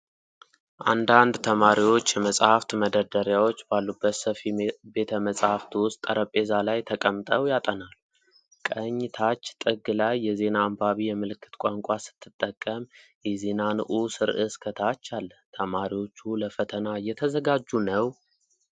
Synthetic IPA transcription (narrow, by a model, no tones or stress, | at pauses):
ʔand̪and̪t̪ʰəmaɾiwo̞t͡ʃːjɛməsʼhaft̪məd̪əd̪əɾjawo̞t͡ʃːbalːubːət̪səfibe̞t̪ʰəməsʼhaft̪wʊst̪ʼə̰ɾəpʼːe̞zalajt̪ʰəkʼəmːt̪ʼəwjat̪ʼənalːu | kʼəɲːɪt̪ʰat͡ʃːt̪ʼɨɡɨlajːɛze̞naːmbaβijɛmɨlɨkʰːɨ̥t̪kʷʼaŋkʷʼasɨ̥t̪ʰːɨt̪ʼːəkʼːəm | jɛze̞nanɨ̰ʔusɨɾʔɨskʰət̪ʰat͡ʃːalːət̪ʰəmaɾiwo̞t͡ʃːuləfət̪ʰənajɛt̪ʰəzəɡad͡ʒːunəw